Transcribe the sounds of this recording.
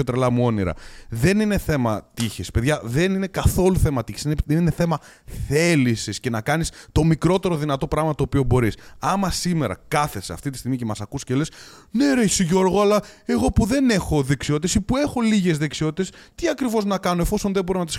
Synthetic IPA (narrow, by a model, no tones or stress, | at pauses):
ot̪ɾelɐmuo̞niɾɐ̰ðe̞nine̞θe̞mɐt̪içispeðʝɐðe̞nine̞kɐθo̞luθe̞mɐt̪içisineenineθe̞mɐ | θe̞lisisce̞nɐkɐnist̪o̞mikɾo̞t̪e̞ɾo̞ðinɐt̪o̞pɾɐɣmɐt̪o̞ːpio̞bo̞ɾisɐmɐsime̞ɾɐ̰kɐθe̞seɐ̰ft̪it̪ist̪iɣmicemɐsɐkusceles | ne̞ɾeçsiʝo̞ɾɣoɐlɐe̞ɣo̞puðe̞ne̞xo̞ðe̞ksiot̪t̪e̞sipue̞xo̞liʝe̞zðe̞ksio̞t̪i̥t̪es | t̪iɐkɾivo̞znɐkɐno̞e̞fo̞so̞nðebo̞ɾinɐt̪is